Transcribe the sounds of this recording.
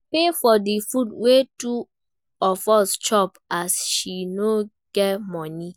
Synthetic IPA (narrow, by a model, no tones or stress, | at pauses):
pefɔdifudwetu | ɔfɔst͡ʃɔpasʃino | ɡ̥ɛtmɔ̃ni